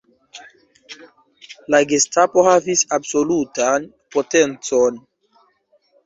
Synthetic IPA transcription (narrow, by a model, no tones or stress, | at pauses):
laɡestapo̞havisabso̞lutan | potent͡so̞n